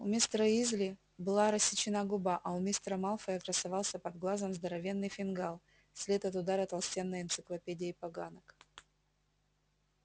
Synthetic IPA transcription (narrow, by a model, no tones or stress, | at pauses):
ʊ̰mʲɪst̪ɾəizʲlʲɪ | bɨlˠaɾəsʲːɪt͡ɕɪnaɡʊbaʔɐʊmʲɪst̪ɾəmalˠfəjəkɾəsɐvalˠsʲəpɐd̪ɡlˠazəmzd̪əɾɐvʲe̞nːɨjfʲɪnɡalˠ | sʲlʲet̪ɐt̪ʊd̪aɾət̪ɐlˠsʲtʲenːɨjɪnt̪sɨklˠɐpʲedʲɪjipɐɡanək